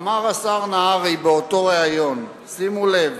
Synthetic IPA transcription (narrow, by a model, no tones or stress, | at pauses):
maʁasaʁnaaʁibeoto̞ʁeajo̞n | simulev